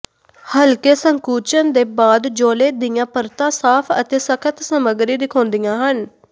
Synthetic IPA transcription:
həlkeːsəŋkuːt͡ʃənd̪eːbaːd̪d͡ʒoːleːd̪ɪjãːpəɾt̪ãːsaːpʰə̰t̪eːsəkʰət̪səməɡɾiːd̪ɪkʰɔ̃ːnd̪ijãːɦən

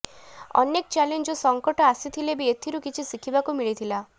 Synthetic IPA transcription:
ɔ̰nek̚t͡ʃalend͡ʒɔsɔŋkɔʈɔasit̪ʰilebiet̪ʰiɾukit͡ʃʰisikʰibakumiɭit̪ʰila

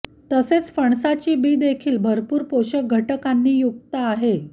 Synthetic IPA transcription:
t̪əset͡sfəɳsat͡ɕiːbiːd̪ekʰiːlbʱəɾpuːɾpoɕək̚ɡʱəʈəkanːiːjuk̚t̪aːɦe

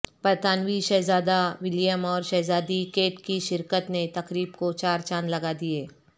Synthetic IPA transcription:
pɐɾt̪aːnʋiʃɛːzaːd̪aʋɪljəmɔːɾʃɛːzaːd̪ikeːʈkiʃɪɾkət̪net̪ɐkɾiːbkot͡ʃaːɾt͡ʃãːnlɐɡad̪ieː

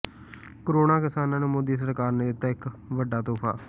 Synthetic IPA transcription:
koɾoːnãːkɪsaːnãːneːmoːd̪iːs̬əɾkaːɾneːd̪ɪt̪ːaːɪkʋəɖaːt̪oːpʰa̰ː

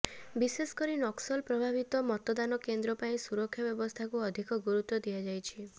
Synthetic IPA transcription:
biseskɔɾinɔksɔlpɾɔbʱabʱit̪ɔmɔt̪ɔd̪anɔkend̪ɾɔpaĩsuɾɔkʰːjɔbjɔbɔst̪ʰakuɔd̪ʱikɔɡuɾut̪ːɔd̪iad͡ʒajt͡ʃʰi

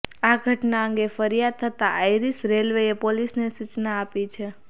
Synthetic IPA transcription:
aɡʱəʈnaə̃ŋɡefəɾijad̪̚t̪ʰət̪aʔajɾisɾelʋeepolisnesut͡ʃnaːpit͡ʃʰe

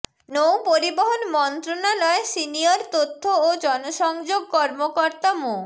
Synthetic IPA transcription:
nowpoɾiboɦonmɔnt̪ɾonalɔesinioɾt̪ot̪ʰːood͡ʑɔnoʃɔŋd͡ʑoɡ̚kɔɾmokoɾt̪amo

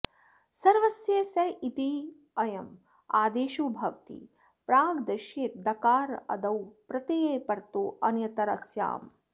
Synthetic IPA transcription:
sɐɾʋɐsjeːsɐjit̪i | ɐjɐm | aːd̪eːʃuːbʱɐʋt̪ḭ | pɾaːɡd̪ɐʃjeːt̪̚d̪ɐkaːɾɐ̰d̪ɐwpɾɐt̪ijeːpɐɾt̪oːʔɐnjɐt̪ɐɾɐsja̰ːm

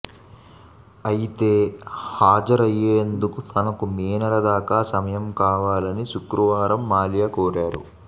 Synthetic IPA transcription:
ɐjit̪e̞ːhaːd͡ʒɐɾɐjeːnd̪ukut̪ʰɐnɐkumiːnɐɾɐd̪aːkaːsɐmɐjɐmkaːʋaːlɐniʃukɾuʋaːɾɐmːaːljakoːɾaːɾṵ

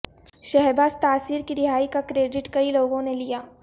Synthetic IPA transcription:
ʃɛɦɛbaːzt̪aːsiːɾkiɾɪɦaːikakɾeːɖɪʈkɐiloːɡõnelijaː

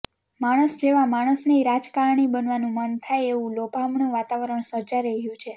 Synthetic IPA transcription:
maɽ̃əsd͡ʒeʋamaɽ̃əsneiɾad͡ʒkaɾɳibənʋanũmənt̪ʰajeʋũlopamɳũʋat̪aʋəɾəɳ̃səɾd͡ʒaɾəɦijũt͡ʃʰe

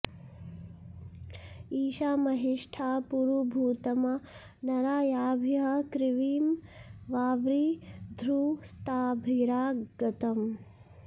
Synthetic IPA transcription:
iːʃaːmɐɦiʂʈʰaːpuɾubʱuːt̪ɐmɐ | nɐɾaːjaːbʱjɐɦɐkɾiʋiːmʋaːʋɾiːd̪ʱɾuːst̪aːbʱiɾaːɡɐt̪ɐm

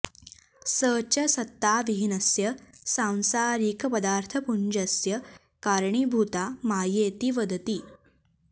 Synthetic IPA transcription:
səːt͡ʃɐsɐt̪ːaːʋiɦinɐsjɐsãw̃saːɾikpɐd̪aːɾt̪ʰɐpuɲd͡ʒɐsjɐ | kaːɾɳibʱut̪aːmaːjeːt̪iʋɐd̪ɐt̪i

